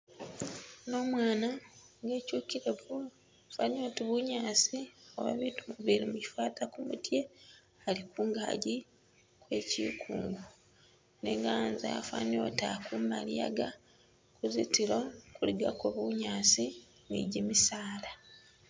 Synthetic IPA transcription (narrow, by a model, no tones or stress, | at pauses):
no̞ːmwaːnaŋɡe̞ːcuːkiɾeβu | fano̞tiβuɲaːsio̰βa̰βitumuβiɾimuci̥faːtakumṵtje̞ | alikuːŋɡa̰ːɟi | kwe̞ːcḭːkʰuːŋɡu | nḛŋɡanza̰a̰fa̰no̞̰takumalija̰ɡa | kuzitilokuliɡakoβuɲaːsi | nḭɟimisaːla